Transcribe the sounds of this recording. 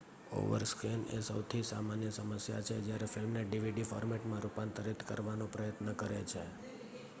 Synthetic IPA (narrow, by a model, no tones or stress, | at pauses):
o̰ʋə̰ɾskinḛsəwt̪ʰisamanjəsəməsja̰t͡ʃʰed͡ʒjaɾefɪlmneɖiʋiɖifɔ̰ɾmeʈmãɾupant̪aɾit̪kə̰ɾʋanõpɾəjət̪nəkəɾet͡ʃʰe